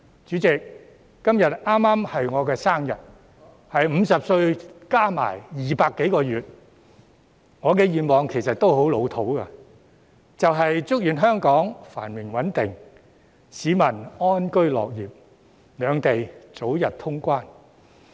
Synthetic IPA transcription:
t͡ʃyː˨˥t͡sɪ˨k̚ː | ɐ˥mjɐ˨t̚aː˥mːaː˥mhɐ˨jŋɔː˨˧kɛː˧saː˥ŋjɐ̰˨t̚ | hɐ˨jm̩˨˧sɐ˨p̚sɵ˧ɥkaː˥ma̰ː˨˩jjiː˨paː˧kːe˨˥jkɔː˧jyː˨t̚ | ŋɔː˨˧kɛː˧jiː˨nmɔː˨ŋkʰe˨˩jsɐ˨t̚t̪o˥wɦo˨˥wlo˨˧wt̪ʰo˨˥wkɐ̰˧ | t͡sɐ˨wɦɐ˨jt͡sʊ˥k̚jyː˨nɦœː˥ŋkɔː˨˥ŋfa̰ː˨˩nmɪ˨˩ŋwɐ˨˥nt̪ɪ˨ŋ | siː˨˧˥mɐ˨˩nɔː˥nkɵ˥ɥlɔ̰ː˨k̚jiː˨˩p̚ | lœː˨˧ŋt̪e˨jt͡so˨˥wjɐ˨t̚t̪ʰʊ˥ŋkʷaː˥n

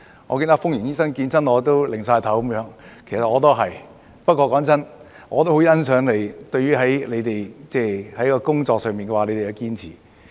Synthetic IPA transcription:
ŋɔ̰˨˧k̬iː˧nt̪ɐ˥kfʊ˥ŋjiː˨˩njiː˥sɐ˥ŋkiː˧nt͡sɐ˥nɔː˨˧t̪̬o˥wlɪ˨˩ŋs̬aː˧jt̪ʰɐ˨˥wkʊ˨˦mjœː˨˧˥ŋkʰe˨˩sɐ˨t̚ŋɔː˨˧t̪̬o˥wɦɐ˨j | pɐ˥t̚kʷɔː˧kɔː˨˥ŋt͡sɐ˥n | ŋɔː˨˧t̪o˥ɦo˨˥wjɐ˥nsœː˨˧˥ŋle˨˩jt̪ɵ˧ɥyː˥ɦɐ˨˥jle˨˧jt̪e˨jt͡sɛː˥˩hɐ˨˥jkɔː˧kʊ˥ŋt͡sɔː˧ksœː˨ŋpiː˨˩nkɛː˧waː˨le˨˧jte˨jɐ˨˧wkiː˥nt͡sʰiː˨˩

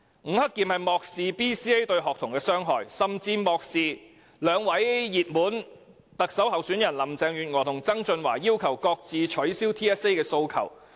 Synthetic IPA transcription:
ŋ̩˨˥hɐ˥kːiː˨˧mhɐ˨jmɔː˨k̚siː˨˧piː˥siː˥e˥jt̪ɵ˧ɥɦɔː˨k̚t̪ʰʊ˨˩ŋkɛː˧sœː˥ŋɦɔː˨jsɐ˨mt͡siː˧mɔː˨˧k̚siː˨ | lœː˨˧ŋwɐ˨˥jjiː˨˩t̚muː˨˥n | t̪ɐ˨k̚sɐ˨˥wɦɐ˨wsyː˨˥njɐ˨˩nlɐ˨˩mt͡sɛː˧ŋjyː˨t̚ŋɔː˨˩t̪ʰʊ˨˩ŋt͡sɐ˥ŋt͡sɵ˧nwa̰ː˨˩jiː˥wkʰɐ˨˩wkɔː˧k̚t͡siː˨t͡ʃʰɵ˨˥ɥsiː˥wt̪ʰiː˥ɛ˥se˥jkɛː˧so˧wkʰɐ̰˨˩w

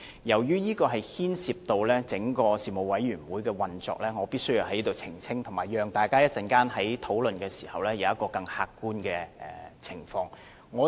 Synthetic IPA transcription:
jɐ˨˩wjyː˥jiː˥kɔː˧ɦɐ˨jhiː˥nsiː˧p̚t̪o˧wlɛː˥t͡sɪ˨˥ŋkɔː˧siː˨mo˨wɐ˨˥jɥyː˨˩nwuː˨˥jkɛː˧wɐ˨nt͡sɔ̰ː˨k̚lɛː˥ŋɔː˨˧piː˥sɵ˥ɥji˨˧whɐ˨˥jiː˥t̪o˨wt͡sʰɪ˨˩ŋt͡sʰɪ˥ŋt̪ʰʊ˨˩ŋmaː˨˩jœː˨ŋt̪aː˨jkaː˥jɐ˥t̚t͡sɐ˨nkaː˥nɦɐ˨˥jt̪ʰo˨˥wlɵ˨nkɛː˧si̥ː˨˩hɐ˨wlɛː˥jɐ˨˧wjɐ˥kːɔː˧kɐ˧ŋhaː˧kːuː˥nkɛː˧ʔɛ̰˨t͡sʰɪ˨˩ŋfɔː˧ŋ | ŋɔː˨˧

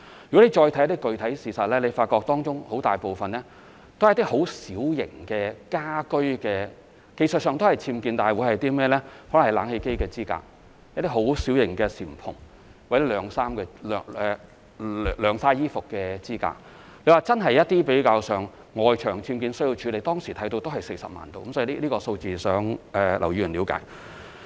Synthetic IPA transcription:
jy˨kɔ˨˥e˨˧t͡ʃɔː˧jt̪ʰjɐ˥t̪i˥kɵ˨ɥt̪ʰɐ˨˥jsiː˨˩sɐ˨t̚lɛː˥ne˨˧faː˧t̚kɔː˧k̚t̪ɔː˥ŋt͡ʃʊ˥ŋho˨˥wt̪aː˨jpo˨wfɐ˨nlɛː˥ | t̪o˥hɐ˨jt̪i˥ho˨˥wsiː˨˥wjɪ̰˨˩ŋkɛː˧kaː˥kɵ˥ɥkɛː˧ | ke˨˧jsə˨t̚sœː˨˧ŋt̪o˥hɐ˨jt͡sʰiː˧mkiː˧nt̪aː˨jwuː˨˥jhɐ˨jt̪iː˥mɛː˥lɛː˥hɔ˨˥lːlaː˨˥nhe˧jke˥jkɛː˧t͡siː˥ka̰ː˧˥k̚ | jt̪i˥ɦo˨˥wsiː˨˥wjɪ̰˨˩ŋkɛː˧siː˨˩m̩˨pʰʊ˨˩ŋ | wɛ˥lœː˨˧ŋsaː˥mkɛː˧lːɛ˨˧˨ | lœː˨˧ŋsaː˥jjiː˥fʊ˨kːɛː˧t͡siː˥ka̰ː˧k | le˨˧jwaː˨˩t͡sɐ˥nɦɐ˨jɐ˥t̚t̪iː˥pe˨˥jkaː˧wsœː˨ŋ | ŋɔː˨˧jt͡ʃʰœː˨˩ŋt͡sʰiː˧mkiː˧nsɵ˥ji˧wt͡ʃʰyː˨˧le˨jt̪ɔː˥ŋsiː˨˩t̪ʰɐ˨˥jt̪o˧wt̪o˥hɐ˨jse˧jsɐ˨p̚ma̰ː˨nt̪o̰˨wkɐ˧˥msɔː˨˥i˧i˥˧liː˥kɔː˧so˧wt͡siː˨˧sœː˨˥ŋʔɛ˨˧lʔɐ̰˨˩wjy˧˩y˨˩li˨˥wka̰ː˨˥j

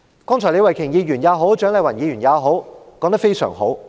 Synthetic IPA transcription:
kɔː˥ŋt͡ʃʰɔː˨˩le˨˧wɐ˨˩jkʰɪ˨˩ŋjiː˧ɥyː˨˩njaː˨˧wɦo˨˥wt͡ʃœː˨˥ŋlɐ˨˧wɐ˨˩njiː˨˧ɥy˨˩njaː˨˧wɦo˨˥wkɔː˨˥ŋt̪ɐ˥kfe˥jsœ̰ː˨˩ŋɦo˨˥w

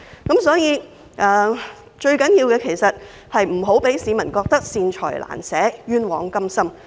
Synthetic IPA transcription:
kɐ˨˥msɔː˨˥jiː˨˧ | ʔɐː˨˩ | t͡ʃɵ˧ɥkɐ˨˥njiː˧wkɛː˧kʰe˨˩jsɐ˨t̚ | hɐ˨jm̩˨˩ɦo˨˥wpe˨˥jsiː˨˧mɐ˨˩nkɔː˧k̚t̪ɐ˥k̚siː˧nt͡ʃʰɔ̰ː˨˩jlʔa̰ː˨˩nsɛː˨˥jyː˥nwɔ̰ː˨˥ŋkɐ˥msɐ˥m

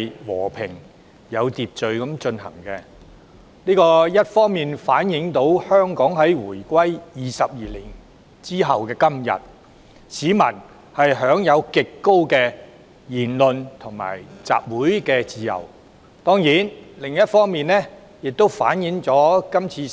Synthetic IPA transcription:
wɔ̰ː˨˩pʰɪ˨˩ŋ | jɐ˨˧wt̪iː˨˧p̚t͡ʃɵ˨ɥkɐ˨˥mt͡ʃɵ˧nhɐ̰˨˩ŋkɛ˧ | niː˥kɔː˧jɐ˥t̚fɔː˥ŋmiː˨nfaː˨˥njɪ˨˥ŋt̪o˨˥whœː˥ŋkɔː˨˥ŋɦɐ˨˥jwuː˨˩jkʷɐ˥jjiː˨sɐ˨p̚jiː˨li˨˩ŋ | t͡siː˥ɦɐ˨wkɛː˧kɐ˥mjɐ̰˨t̚ | siː˨˧˥mɐ̰˨˩n | hɐ˨jɦœː˨˥ŋjɐ˨˧wkɪ˨kːo˥wkɛː˧ | jiː˨˩nlɵ˨nt̪ʰʊ˨˩ŋma̰ː˨˩jt͡sa̰ː˨p̚wuː˨˥jkɛː˧t͡siː˨jɐ̰˨˩w | t̪ɔː˥ŋjiː˨˥nlɪ˨˩ŋjɐ˥t̚fɔː˥ŋmiː˨nlɛ˥ | jɪ˨k̚t̪o˥wfaː˨˥njɪ˨˥ŋt͡sɔː˨˥kɐ˥mt͡sʰiː˧

